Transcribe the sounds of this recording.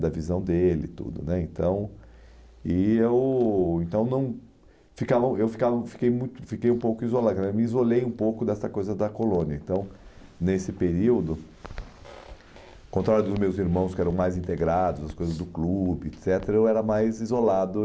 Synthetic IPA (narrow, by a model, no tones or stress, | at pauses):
d̪ɐvizɐ̃w̃d̪elɪ̰t̪ṵd̪ʊ̰nɛẽnt̪ɐ̃w̃ | ɪewẽnt̪ɐ̃w̃nɐ̃w̃ | fikavɐewfi̥kavɐfi̥kejmũj̃t̪ʊfikejũpowkʊizolaknɛmɪizolejũpowkʊd̪ɛsɐkojzɐd̪ɐkolõniɐẽt̪ɐ̃w̃nesɪpeɾiwd̪ʊ | kõnt̪ɾaɾjʊd̪ʊzmewziɾmɐ̃w̃skɪɛɾɐ̃w̃majzĩnt̪eɡɾad̪ʊzɐskojzɐzd̪ʊklubɪet̪sɛt̪eɾɐewɛɾɐmajzizolad̪ʊ